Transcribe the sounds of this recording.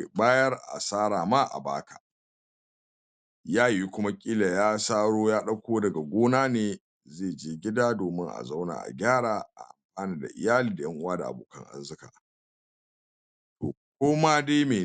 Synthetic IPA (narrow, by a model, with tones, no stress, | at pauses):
baː˦jɐ˦rʔa̰˨saː˦ɾaː˨ma˦ʔa̰˨ba̰ː˦kʰa̰˨ | jaː˦ji˦kʷʊ˦ma˦kʲʼiː˦la˨jaː˦saː˦ɽoː˦jaː˦ɗɐ˦kʷoː˦dɐ˨ɡa˨ɡʷoː˦naː˦neː˨ | zeː˦˨d͡ʒeː˦ɡʲɪ˦daː˦doː˨mɪ˦ŋʔa̰˨za˦wna̰˨ʔa̰˨ɡʲaː˦ɽaː˨ʔa̰˨ʔa˨mɸaː˦niː˦da̰˨ʔɪ̰˨jaː˦liː˨da˨jɐ˦ŋʔʊ˦waː˦da˨ʔa̰˨boː˨kɐ̰˦ŋʔa̰˦rzɪ˦ka̰ː˨ | to̰ː˨k̚ʷoː˦ma˦de˦meː˨